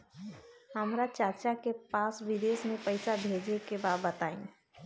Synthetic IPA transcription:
hɐmɾat͡ʃaɾt͡ʃakepaːsʋɪd̪eːsmẽpəɪsabʱeːd͡ʒekebaːd̪̚bət̪aːḭ̃ː

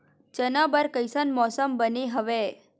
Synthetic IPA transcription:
d͡ʒənabəɾkəjsənmɔsəmbəniɦəʋe

